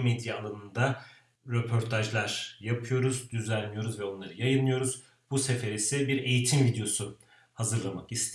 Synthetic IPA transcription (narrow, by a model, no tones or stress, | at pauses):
med̪jaːlˠanɯnd̪a | ɾe̞pʰo̞ɾt̪ʰaʒlˠaɾ̥japʰɯjo̞ɾuzd̪yzænlːijo̞ɾuzvɛo̞nlˠaɾɯjajɯnːɯjo̞ɾuz̥ | buse̞feɾisɛbiɾe̞jit̪ʰimvid̪ejo̞su | hazɯɾlˠamakist̪ʰ